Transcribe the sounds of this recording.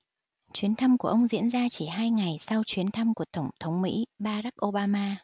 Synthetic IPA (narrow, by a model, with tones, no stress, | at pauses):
t͡ɕwi˨˦ənt̪ʰa˧mku˧˩əʔə˧wŋ͡mzḭ˧˥ənzaː˧t͡ɕi˧˩ɦaː˧jŋa˨˩jsa˧wt͡ɕwi˨˦ənt̪ʰa˧mku˧˩ət̪ə˧˩ŋ͡mt̪ʰə˨˦wŋ͡mmḭ˧˥ɓaː˧ɾa˦˥k̚ʔo˧ɓaː˧maː˧